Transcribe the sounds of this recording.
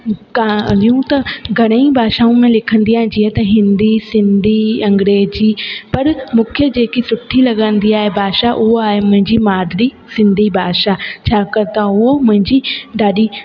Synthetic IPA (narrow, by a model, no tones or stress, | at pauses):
kaliũt̪ɐɡʱɐɽ̃əĩbʱaːʃaːũmẽlɪkʰə̃nd̪ijãɦd͡ʑiːɦet̪ɐɦɪ̃nd̪isɪ̃nd̪ʱiɐ̃ŋɡɾeːd͡ʑipɐɾmʊkʰjəd͡ʑeːkisʊʈʰːilɐɡə̃nd̪iaːɦebʱaːʃaʔʊɦoaːɦemʊ̃ɦɪ̃ɲd͡ʑimaːd̪ɾi | sɪ̃nd̪ʱibʱaːʃat͡ɕʰaːkɐɾt̪aʊɦomʊ̃ɦɪ̃ɲd͡ʑiɖaːɗi